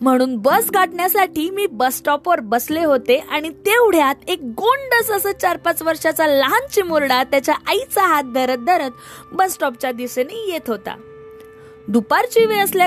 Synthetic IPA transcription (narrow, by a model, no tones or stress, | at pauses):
m̤əɽ̃uːnbəsɡaʈɳjasaʈʰiːmiːbəsʈɔpɔɾbəsleɦot̪eʔaɽ̃it̪euɽ̤jat̪ek̚ɡoɳɖəsəsət͡ɕaɾpat͡sʋəɾʂat͡salaɦant͡ɕimoɾɽat̪jat͡ɕjaʔait͡saɦat̪̚d̪ʱəɾət̪̚d̪əɾət̪ | bəsʈɔp̚t͡ɕad̪isenijet̪ɦot̪a̰ | d̪upaɾt͡ɕiʋeəsl